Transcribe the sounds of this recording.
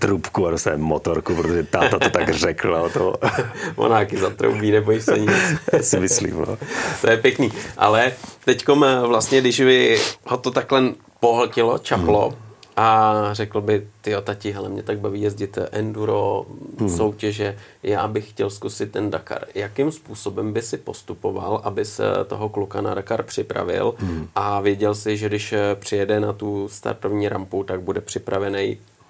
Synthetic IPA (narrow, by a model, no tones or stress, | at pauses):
t̪ɾupkuadost̪aɛɛmːot̪oɾkupɾot̪oʒɛt̪aːt̪at̪ot̪akrɛklaot̪ovo̰naːkɪzat̪ɾo̰wbiːnɛboɪsɛɲɪt͡sːsɪmɪslḭːmno̰ːt̪ojɛpjɛkniːʔa̰lɛt̪ɛcko̞mvlast̪ɲɛdɪʃbɪhot̪ot̪aklɛn | poɦl̩cɪlo̞̰t͡ʃaplo̞ʔarɛkl̩bɪt̪ɪjot̪acɪɦɛlɛmɲɛt̪aɡ̚baviːjɛzɟɪt̪ʔɛnduɾoso̞wcɛʒɛ | ja̰ːbɪxxcɛlskusɪt̪̚ːɛndaka̰ɾjakɪmspuːso̞bɛmbɪsɪpo̞st̪upova̰lʔabɪsɛ̰t̪o̞ɦoklukana̰dakaɾpr̝̥ɪpɾa̰vɪ̰lʔavjɛɟɛlsɪʒɛdɪʃpr̥ɪjɛdɛnat̪ust̪a̰ɾt̪ovɲiːɾamput̪aɡ̚budɛpr̝̥ɪpɾavɛnɛj